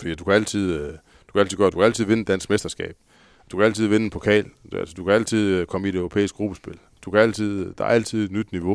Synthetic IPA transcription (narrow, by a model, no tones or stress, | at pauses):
fəd̥ḭːd̥ukʰææl̰t͡sʰið̞̰ˠ | d̥ukʰæælt͡sʰiðˠɡ̥d̥ukʰæælt͡sʰið̰ˠʋe̝nəd̥æn̰sɡ̥mesd̥ɐsɡ̥ɛ̰ːb̥̚ | d̥ukʰæælt͡sʰiðˠʋe̝nəpʰokʰɛ̰ːlæ̰lsəd̥ukʰææl̰t͡sʰið̞̰ˠkʰɒ̽məie̝ɾœʊʁo̝pʰḛːɪisɡ̥̚ɡʁub̥əsb̥e̝l | d̥ukʰææl̰t͡sʰið̞̰ˠd̥ɑ̈ɐæl̰t͡sʰið̞̰ˠe̝d̥nyd̥niʋo̝